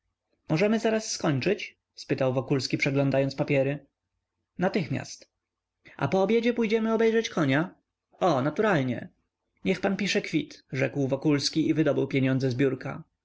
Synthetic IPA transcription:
mɔʐɛmɘzaɾasːkɔɲt͡ʂɘt͡ɕ | spɘt̪awvɔkulskʲipʂɛɡlɔnd̪ajɔnt̪spapʲjɛɾɘ | nat̪ɘxmʲa̰st̪ | ʔa̰pɔːbʲjɛd͡ʑɛpujd͡ʑɛmɘɔbɛjʐɛt͡ɕkʰɔɲa | ɔnat̪uɾalɲɛ̰ | ɲɛxpanpʲiʂɛkfʲit̪ʐɛkwvɔkulskʲiivɘd̪ɔbɘwpʲjeɲɔnd̪zɛzbʲjuɾka̰

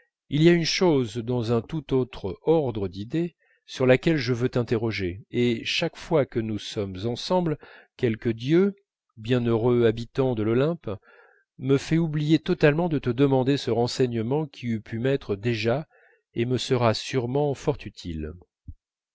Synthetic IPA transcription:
ilijaynʃozd̪ɑ̃zɛ̃t̪ut̪ot̪χɔʁd̪ʁəd̪id̪e | syʁlakʲɛlʒəvøt̪ɛ̃t̪eʁɔʒeeʃakfwakənusɔmzɑ̃sɑ̃blkʲɛlkəd̪jø | bjɛ̃nøʁøabit̪ɑ̃d̪əlɔlɛ̃p | məfɛublijet̪ɔt̪almɑ̃d̪ət̪əd̪əmɑ̃d̪esəʁɑ̃sɛɲəmɑ̃kʲʰiypʰymɛt̪χəd̪eʒa | eməsəʁasyʁmɑ̃fɔʁt̪yt̪ʰḭl

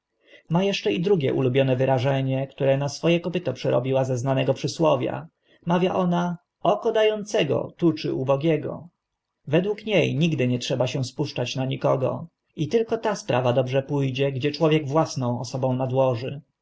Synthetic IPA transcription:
majɛʂt͡ʂɛid̪ɾuɡʲjɛʔṵlubʲjɔnɛvɘɾaʐɛɲɛkt̪uɾɛnasfɔjɛkɔpɘt̪ɔpʂɛɾɔ̰bʲiwazɛznanɛɡɔpʂɘswɔvʲja̰ | mavʲjaʔɔna | ɔkɔd̪ajɔnt̪sɛɡɔ̰t̪ut͡ʂɘ̰ʔubɔɡʲɛɡɔ̰ | vɛd̪wukɲejɲiɡd̪ɘɲɛtʂɛbaɕɛ̃spuʂt͡ʂat͡ɕnaɲikɔɡɔ̰ | it̪ɘlkɔt̪aspɾʔavad̪ɔbʐɛpujd͡ʑɛɡd͡ʑɛt͡ʂwɔvʲjɛɡvwasnɔ̃w̃ɔsɔbɔ̃w̃nad̪wɔʐɘ

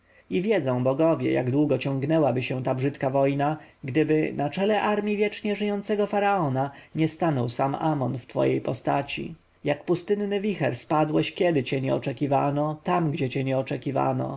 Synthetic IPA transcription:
ivʲjɛd̪zɔ̃w̃bɔɡɔvʲjɛ̰ja̰ɡd̪wuɡɔt͡ɕɔŋɡnɛwabɘɕɛ̃t̪abʐɘt̪kavɔjnaɡd̪ɘbɘnat͡ʂɛlɛʔaɾmʲjivʲjɛt͡ʂɲɛʐɘjɔnt̪sɛɡɔfaɾaɔnaɲɛst̪anɔwsama̰mɔnft̪fɔ̰jejpɔst̪at͡ɕḭ | jakpust̪ɘnːɘvʲixɛɾspad̪wɛɕkʲjɛd̪ɘt͡ɕɛɲɛɔt͡ʂɛkʲivanɔt̪amɡd͡ʑɛt͡ɕɛɲɛɔt͡ʂɛkʲiva̰nɔ̰

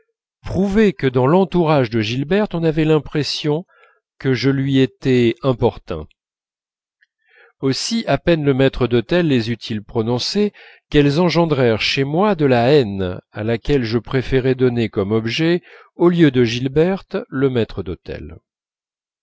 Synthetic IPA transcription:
pχuvekəd̪ɑ̃lɑ̃t̪uʁaʒd̪əʒilbɛʁt̪ɔ̃navɛlɛ̃pχesjɔ̃ | kəʒəlɥiet̪ɛɛ̃pɔʁt̪ɛ̰̃ | osiʔapɛnləmɛt̪χəd̪ot̪ɛlːezyt̪ʰilpχɔnɔ̃sekɛlzɑ̃ʒɑ̃d̪ʁɛʁʃemwad̪əlaɛna̰lakʲɛlʒəpχefeʁɛd̪ɔnekɔmɔbʒɛ | oljød̪əʒilbɛʁt̪ləmɛt̪χəd̪ot̪ʰɛ̰l

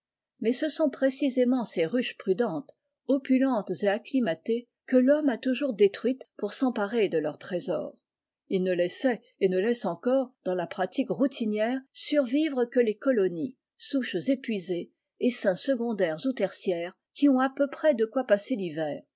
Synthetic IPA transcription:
mɛsəsɔ̃pχesizemɑ̃seʁyʃpχyd̪ɑ̃t̪ | ɔpylɑ̃t̪zeaklimat̪e | kəlɔmat̪uʒuʁd̪et̪χɥit̪puʁsɑ̃paʁed̪əlœʁt̪χezɔ̰ːʁ | ilnəlɛsɛ | enəlɛsɑ̃kɔʁd̪̥ɑ̃lapχat̪ikʁut̪ʰinjɛːʁsyʁvivʁəkəlekɔlɔni | suʃzepɥizeː | sɛ̃səɡɔ̃d̪ɛʁzut̪ɛʁsjɛːʁ | kʲiɔ̃apøpχɛd̪əkwapaselivɛːʁ

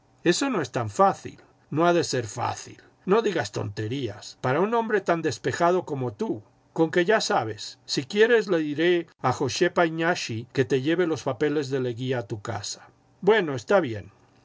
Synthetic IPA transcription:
e̞so̞no̞e̞st̪aɱfaθḭl | no̞aðe̞se̞ɾfa̰θḭl | no̞ðiɣast̪o̞̰nt̪e̞ɾia̰spaɾaunõ̞mbɾe̞t̪and̪e̞spe̞xað̞o̞ko̞mo̞t̪u | ko̞ŋke̞ʝasaβ̞e̞sːikje̞ɾe̞zle̞ðiɾe̞axo̞se̞pajɲaʃike̞t̪e̞ʝe̞βe̞lo̞spape̞le̞zðe̞leɣiaːt̪uka̰sḁ | bwe̞no̞est̪aβje̞̰n

